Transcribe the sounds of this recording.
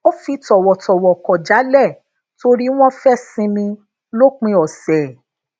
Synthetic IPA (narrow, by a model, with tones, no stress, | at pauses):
o˦fi˧tɔ˨wɔ˨tɔ˨wɔ˨kɔ˨d͡ʒa˨˦lɛ˦˨ | to˧ɾi˦w̃ɔ̃˦fɛ˦˨sĩ˧mĩ˧ | lo˦k͡pĩ˧˦ɔ˨sɛ˨